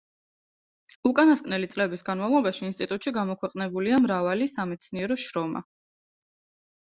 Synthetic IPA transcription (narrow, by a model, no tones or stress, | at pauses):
ukʼanaskʼnɛlit̪sʼlɛbisɡanmavlˠɔbaʃiːnst̪ʼit̪ʼut̪ʼʃiɡamɔkʰwɛqʼnɛbuliamɾavalisamɛt̪sʰniɛɾɔʃɾɔma̰